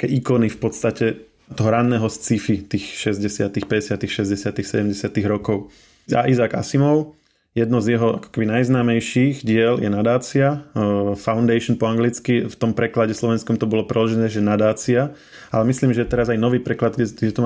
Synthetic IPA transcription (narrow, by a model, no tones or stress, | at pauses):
akɛ̰ːʔikɔnifpɔt̪st̪acɛ | t̪ɔɦɔɾanːɛːɦɔst͡sifit̪iːxʃɛzɟɛsɪat̪ixpɛɟɛsɪat̪ixʃɛzɟɛsɪat̪ixsɛɟɛmɟɛsɪat̪iɣɾɔkɔʊ | a̰ʔizaːɡa̰simɔʊ | jɛd̪nɔzjɛɦɔa̰kɔ̥kɛbinajznaːmɛjʃiɣɟɪɛljɛnad̪aːt͡siafaʊnd̪ɛɪʃɔnpɔaŋɡlit͡skift̪ɔmpɾɛklaɟɛslɔʋɛnskɔmt̪ɔbɔlɔpɾɛd̪lʒɛnɛːʒɛnad̪aːt͡sia | alɛmisliːmʒɛjɛt̪ɛɾazajnɔʋiːpɾɛklad̪ɛɡɟɛt̪ɔm